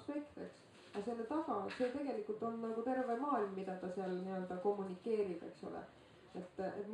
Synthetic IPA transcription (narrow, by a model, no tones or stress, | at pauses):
spe̞kt̪eks | ɑselːet̪ɑɡ̥ɑse̞t̪e̞ɡ̥e̞likːult̪o̞nːɑɡut̪e̞rvemɑːilmːid̪̥ɑt̪ɑseɑlniø̞ld̪̥ɑko̞mːunikːe̞ːɾib̥e̞̰kso̞̰lḛ | e̞t̪ːet̪ːˑm